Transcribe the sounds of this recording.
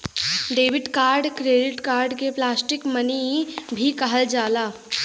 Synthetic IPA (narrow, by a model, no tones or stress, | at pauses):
ɖeːʋɪʈkaːɾɖkɾeːɖɪʈkaːɾɖkeplaːsʈɪkmənibʱikɐɦəld͡ʒaːlaː